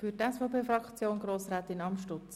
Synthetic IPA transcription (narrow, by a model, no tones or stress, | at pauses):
fytɛsfɔpeːfrɑkt͡sjoːnɡɾoːsræːt̪ɪnɑmʃtʊt͡s